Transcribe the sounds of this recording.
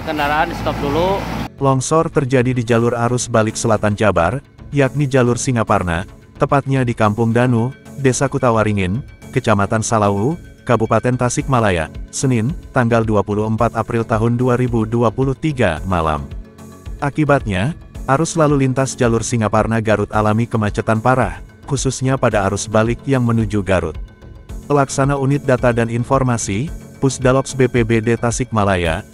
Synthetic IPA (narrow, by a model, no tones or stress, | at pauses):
kəndaɾaanist̪ɔp̚dululɔŋsɔrt̪ərd͡ʒadidid͡ʒalʊraɾʊsbalɪksəlat̪ant͡ʃaba̰r | jak̚nid͡ʒalʊrsiŋaparna̰ | t̪əpat̪̚ɲadikampʊŋdanudesakut̪awaɾiŋɪnkət͡ʃamat̪ansalawu | kabupat̪ɛnt̪asɪk̚malaja̰sənɪnt̪aŋɡalduapuluɦəmpat̪apɾɪlt̪aɦʊnduaɾibuduapuluht̪iɡa̰ma̰la̰m | ʔakibat̪̚ɲaʔaɾʊslalulint̪asd͡ʒalʊrsiŋaparnaɡaɾʊt̪alamikəmat͡ʃət̪anpaɾah | kususɲapadaːɾusbalɪk̚jaŋmənud͡ʒuɡaɾʊ̰t̪̚ | pəlaksanaunɪt̪̚dat̪adaninfɔrmasi | pusdalɔksbepebedet̪asɪk̚malaja̰